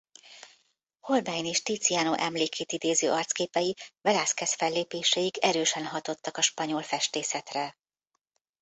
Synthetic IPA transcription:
ho̞lbajneːʃt̪iːt̪sijaːnoʔɛmleːkʰeːt̪id̪eːzø̰ːʔɒrt̪skeːpɛjivɛlaːskɛsfɛlːeːpeːʃɛjiɡɛɾøːʃɛnɦɒt̪o̞t̪ːɒkɒʃpɒɲo̞lfɛʃt̪eːsɛt̪rɛ

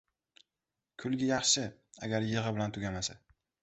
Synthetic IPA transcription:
kʰʊlˠɡʲajɑχʃɪa̰ɡʲaɾjeʁɨbɪlant̪ʰʊɡʲamasa

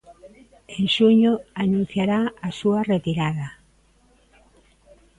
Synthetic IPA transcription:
eŋʃuɲoanũn̟θjaɾaasuɐret̪iɾaðɐ

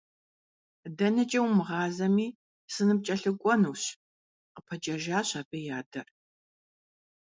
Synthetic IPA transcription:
dɐnɐt͡ʃʼɐwmɨʁɑːzɐmiː | sɨnɨp̚t͡ʃʼɐɬɨkʷʼɔnuːɕ | qəpʰɐt͡ʃʼɐʒaːɕɐbɐjaːdɐr

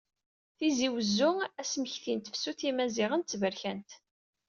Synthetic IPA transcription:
θiziwəzːʊæsməçθint̪əfsuθimæziʁənt̪svəɾçænt̪

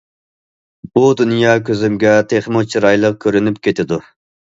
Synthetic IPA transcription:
b̥ud̪unjɑːkʲøzɪmɡʲɛt̪ʰeχmot͡ʃʰiɾɑjlˠəq̚kʲʰøɾynypkʲet̪ʰɪd̪u

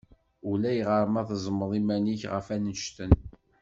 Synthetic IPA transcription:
ulæjʁəɾˤmæðzˤməðˤimæniçʁə̰fænəʃt̪ən

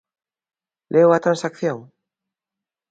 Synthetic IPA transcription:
lʔeoat̪ɾãnsakθjoŋ

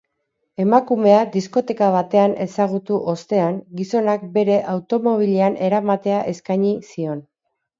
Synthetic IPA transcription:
e̞makume̞ad̪isko̞t̪e̞kaβ̞at̪e̞ane̞saɣ̞ut̪uʔost̪e̞aŋɡiso̞nak̚be̞ɾe̞ʔawt̪o̞mo̞β̞ileanʔe̞ɾamat̪e̞aʔe̞skajɲisio̞n

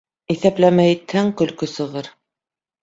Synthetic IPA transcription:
iθæplæmæit̪hæŋkɵ̆lkɵsɤ̆ʁɤɾ

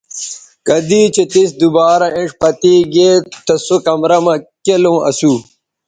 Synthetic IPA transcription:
kɐd̪iːt͡ɕet̪is̬d̪ubaːɾɐʔẽʂpɐt̪iːɡeːt̪ɐsokɐmɾɐmɐkelõːɐ̰suː

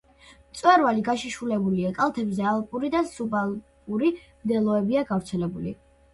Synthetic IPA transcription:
mt̪sʼwɛɾvaliɡaʃiʃulɛbuliakʼalˠt̪ʰɛbzɛalˠpʼuɾid̪asubalˠkʼuɾimd̪ɛlˠɔɛbiaɡavɾt̪sʰɛlɛbulḭ

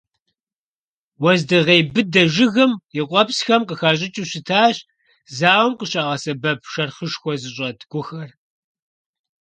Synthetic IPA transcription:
wɐzdɨʁeːjbɨdɐʒɪɣɨmjɪqʷʼɔpsxɐmqəxaːɕ̬ʼɪt͡ʃʼuɕɪtʰaːɕ | zaːwmqəɕaːʁɐsɐbɐp̚ʰʃɐrχəʃxʷɔzɨɕʼɐdɡ̥ʷʊxɐr

